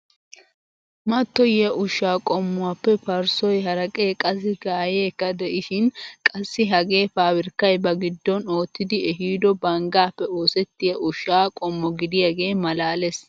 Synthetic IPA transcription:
mɐt̪ːɔjjɐʔʊʃːaːkʼɔmːʊwaːpːɛpɐɾsɔjɦɐɾɐkʼe̞ːkʼɐs̬ɪɡaːjeːkːɐd̪ɛʔɪʃɪnkʼɐsːɪɦɐɡe̞ːfaːwɪɾkːɐjbɐɡɪd̪ːɔno̞ːt̪ːɪd̪ɪɛɦiːd̪ɔbɐŋɡaːpːɛo̞ːsɛt̪ːɪjɐʔʊʃaːkʼɔmːɔɡɪd̪ɪjɐɡe̞ːmɐlaːles

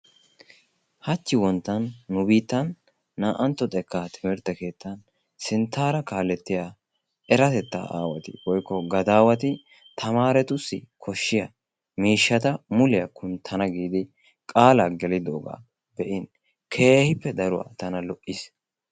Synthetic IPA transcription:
hɐt͡ʃːɪwɔnt̪ːɐnːʊbiːt̪ːɐnː | aːʔɐnt̪ːɔt̪ʼɛkːat̪ʰɪmɪɾt̪ɐke̞ːt̪ːɐn | sɪnt̪ːaːɾɐkaːlɛt̪ːɪjaː | ɛɾɐt̪ɛt̪ːa̰ːʔa̰ːwɐt̪ɪ̰wɔjkːɔɡɐd̪aːwɐt̪̬ɪ | t̪ʰɐmaːɾɛt̪ʊsːɪ̰kʰɔʃːɪjɐ | miːʃːɐt̪ɐmʊlɪjɐkʰʊnt̪ʰɐnɐɡiːd̪ɪ | kʼaːlaːɡɛlɪd̪o̰ːɡa̰ː | bɛʔɪn | kʰe̞ːhɪpːɛd̪ɐɾʊwa̰ːt̪ɐnɐlɔʔɪs

